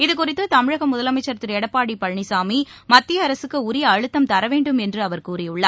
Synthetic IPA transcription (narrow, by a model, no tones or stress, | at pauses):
ɪðɯkʊrɪt̪ːɯt̪ɐmɪɻɐɣɐmʊðɐlɐmɐɪt͡ʃːɐɾɐt̪ːɪɾɛɽɐpːaːɽipɐɻɳisaːmimɐt̪ːɪjɐːɾɐsɯkːɯʊɾɪjɐɐɻɯt̪ːɐmt̪ɐɾɐʋeːɳɖɯmɛndrɯɐʋɐɾkuːrɪjʊɭːa